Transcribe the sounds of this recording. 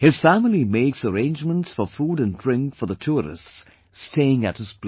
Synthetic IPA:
hɨz̥fæmlˠimeɪksəɹẽɪ̃nd͡ʒmə̃ntsfə˞fuɾɨ̃ndɹɪ̃ŋkfə˞ðətʰuɹɪ̰sts | steɪɪ̃ŋɨ̰t̚hɨz̥p

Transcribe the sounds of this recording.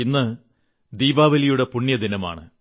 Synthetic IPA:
inːɨ | d̪iːbaːʋɐlijuɽe̞puɳːjɐd̪inɐma̰ːɳɨ

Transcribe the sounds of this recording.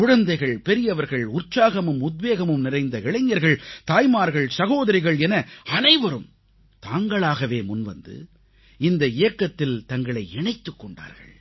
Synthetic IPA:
kʊɻɐnd̪ɐɪɣɐɭpɛɾɪjɐʋɐɾɣɐɭʊrt͡ʃaːɣɐmɯmʊd̪ʋeːɣɐmɯmnɪrɐɪnd̪ɐɪɭɐɪɲːɐɾɣɐɭt̪aːjmaːɾɣɐɭsɐɣoːðɐɾɪɣɐɭɛnɐɐnɐɪʋɐɾɯm | t̪aːŋɡɐɭaːɣɐʋeːmʊnʋɐ̰nd̪ɯ̰ | ɪnd̪ɐɪjɐkːɐt̪ːɪlt̪ɐŋɡɐɭɐɪɛɳɐɪt̪ːɯkːɔɳɖa̰ːɾɣɐ̰ɭ

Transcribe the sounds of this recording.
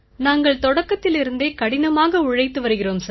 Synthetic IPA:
naːŋɡɐɭt̪ɔɽɐkːɐt̪ːɪlɪɾɯnd̪eːkɐɽɪnɐmaːɣɐʊɻɐɪt̪ːɯʋɐɾɯɣɪroːmsɐ

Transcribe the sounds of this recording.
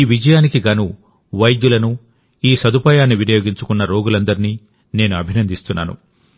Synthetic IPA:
iːʋid͡ʒɐjaːnikiɡɐnu | ʋɐjd̪julɐnu | iːsɐd̪upaːjaːnːiʋinɐjo̞ːɡiɲt͡ʃu̥kunːɐɾo̞ːɡulɐnd̪ɐɾiniː | ne̞ːnuɐbʱinɐnd̪ist̪unːa̰ːnṵ

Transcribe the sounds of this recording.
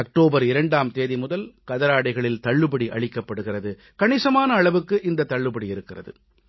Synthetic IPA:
ɐk̚ʈoːbɐɾɪɾɐɳɖaːmt̪eːðimʊðɐlkɐðɐɾaːɽɐɪɣɐɭɪlt̪ɐɭːɯbɐɽiʔɐ̰ɭɪkːɐpːɐɽɯɣɪrɐðɯ | kɐɳɪsɐmaːnɐːɭɐʋɯkːɯʔɪnd̪ɐt̪ːɐɭːɯbɐɽiɪɾɯkːɪrɐ̰ðɯ̰

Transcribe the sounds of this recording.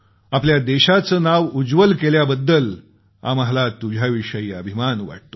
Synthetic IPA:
apljad̪eɕat͡səːnaʋud͡zʋəlkeljabəd̪ːəl | a̰məɦlat̪ud͡ʑʱjaʋiʂəiːəbʱimanʋa̰ʈ̚t̪o̥

